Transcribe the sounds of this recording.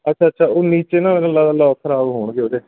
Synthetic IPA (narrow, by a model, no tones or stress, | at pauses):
ətːʃʰaːətːʃʰaːoːniːt͡ʃeːnãːmɛ̃ːnəlːaːd̪aːlɔːkʰəɾaːbɦoːɳɡeːoːd͡ʒ̪eː